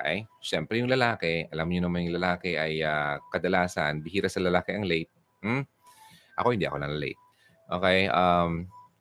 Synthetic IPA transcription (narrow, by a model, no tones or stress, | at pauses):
ʔɐjʃɛmpɾɛjʊŋlɐlaːkɛʔɐlamɲonɐmanjʊŋlɐlaːkɛʔɐjakɐd̪ɐlaːsɐnbɪhiːɾɐsɐlɐlaːkɛʔɐŋlɛjt̪̚ | m̩ | ʔɐ̰ko̞hɪnd̪ḭʔɐ̰o̞nɐlɐlɛ̰jt̪̚ | ʔoːkejʔam